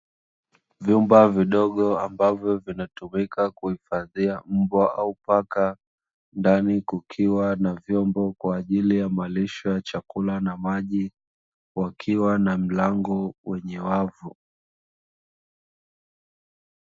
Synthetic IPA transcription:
vjumbaviɗɔɠɔa̰mbavjɔvinatumikakuhifaðiam̩bwaʔaupaka | ndanikukʰiwanavjɔmbɔkwaːʄilijamaliʃɔjat͡ʃakulanamaʄi | wakʰiwanam̩laŋɡɔwɛɲɛwavu

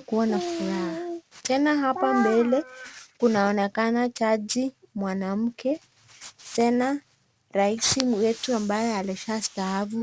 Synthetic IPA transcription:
kuwanafuɾahatɛnaɦapambɛlɛkunaɔnɛkanat͡ʃaʄimwanam̩kɛ | tɛna | ɾaisiwɛtuambajɛaliʃastaɦavu

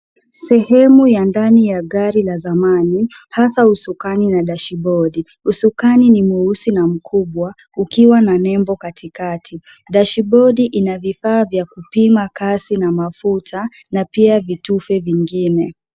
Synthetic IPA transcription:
sɛhɛmujandanijaɠaɾilazamanihasausukaninaɗaʃiɓɔɗi | usukaninimuusinam̩kʰuɓwa | ukiwananɛmbɔkatʰikatʰi | ɗaʃiɓɔɗiʔinavifaːvjakupimakasinamafutʰa | napiavitufɛviŋɡinɛ

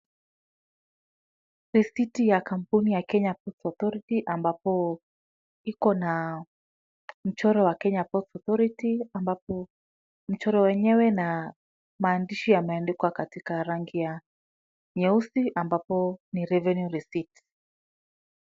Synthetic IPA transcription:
ɾisitijakam̩punijakɛɲapɔtɔθɔɾitiʔambapɔ | ikɔna | m̩t͡ʃɔɾɔwakɛɲapɔtɔθɔɾitiambapɔ | m̩t͡ʃɔɾɔwɛɲɛwɛna | maːndiʃijamɛɛndɛkwakatikaɾaŋɡija | ɲɛusiʔambapɔniɾɛvɛnjuɾisiti̥

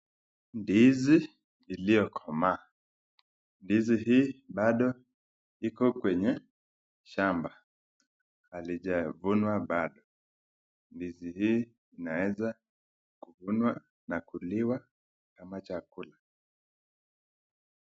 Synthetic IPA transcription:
ndizi | ilijɔkʰɔma | ndiziɦiːɓaɗɔ | ikɔkwɛɲɛ | ʃamba | aliʄavunwaɓaɗɔ | ndizihiː | nawɛza | kuvunwa | nakuliwa | kamat͡ʃakula

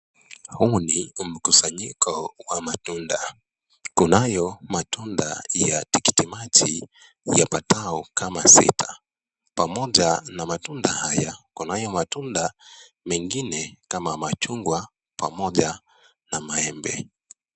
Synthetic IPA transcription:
hunim̩kusaɲikʰɔwamatunda | kunajɔmatunda̰jatiki̥timat͡ʃḭ | japataɔkʰamasḭtʰḁ | pamɔʄanamatundahajakunajɔmatunda | mɛŋɡinɛkamamat͡ʃuŋɡwa | pʰamɔʄa | namaɛmbɛ̰

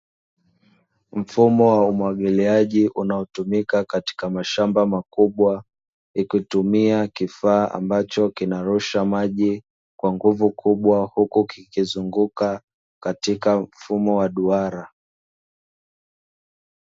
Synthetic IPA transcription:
m̩fumɔwaumwaɠiliaʄiʔunaɔtumikakati̥kamaʃambamakuɓwa | ikutumiakifaːʔa̰mbat͡ʃɔkinaɾuʃamaʄi | kwaŋɡuvukʰuɓwahukukikizuŋɡuka | katikam̩fumɔwaɗuaɾa

